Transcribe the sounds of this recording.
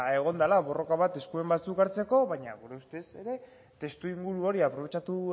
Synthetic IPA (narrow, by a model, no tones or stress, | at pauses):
e̞ɣ̞o̞nd̪alaβo̞ro̞kaβ̞at̪e̞skue̞mbat͡sukaɾt͡se̞ko̞βaɲa̰ɣuɾe̞ust̪e̞se̞ɾe̞ | t̪e̞st̪uiŋɡuɾuo̞ɾiapɾo̞βe̞t͡ʃat̪u